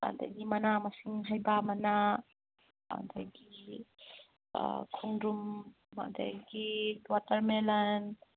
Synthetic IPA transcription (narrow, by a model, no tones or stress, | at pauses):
a̰nda̰jɡimɐnamasiŋɦajbamɐna | a̰ndajɡi | kʰuŋɾum | a̰nda̰jɡidwatɐɾmelan